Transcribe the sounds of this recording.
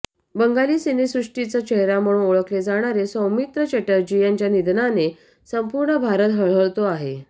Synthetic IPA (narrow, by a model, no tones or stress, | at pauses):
bəŋɡaliːsenesɾuʂʈit͡sat͡ɕeɦɾam̤əɽũːnoɭəkled͡zaɽ̃aɾesəwmit̪ɾət͡ɕeʈəɾd͡ʑijaɲt͡ɕjanid̪nane | səmpuɾɳəbʱaɾət̪ɦəɭ̤əɭt̪oaɦe